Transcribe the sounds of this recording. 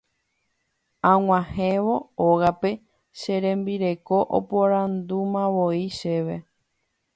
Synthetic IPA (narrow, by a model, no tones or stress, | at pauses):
ãw̃ãhẽʋo̞oɣape̞ | ʃe̞ɾẽ̞mbiɾe̞ko̞ʔo̰poɾãnd̪umãʋoiʃe̞ʋe̞